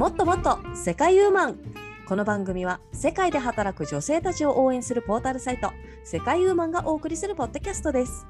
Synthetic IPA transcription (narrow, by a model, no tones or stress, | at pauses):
mo̞t̪ːo̞mo̞t̪ːo̞se̞kaijɯ̟ːmãŋ | ko̞no̞bãŋɡɯ̟mʲiβase̞kaid̪e̞ɦat̪aɾakɯ̟ʑo̞se̞ːt̪at͡ɕio̞ʔo̞ːẽ̞ɰ̃sɨɾɯ̟po̞ːt̪aɾɯ̟sait̪o̞ | se̞kaijɯ̟ːmãŋɡaʔo̞ːkɯ̟ɾʲisɨɾɯ̟po̞d̪ːo̞kʲasɨ̥t̪o̞d̪e̞sɨ̥